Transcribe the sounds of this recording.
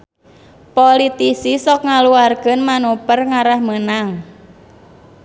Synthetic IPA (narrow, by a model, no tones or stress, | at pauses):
polit̪isisɔk̚ŋaluarɡənmanupərŋaɾahmənaŋ